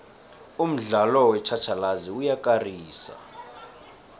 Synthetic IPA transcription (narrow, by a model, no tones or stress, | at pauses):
um̩ɮalɔwɛt͡ʃʰat͡ʃʰalaziujakʼariːsa̰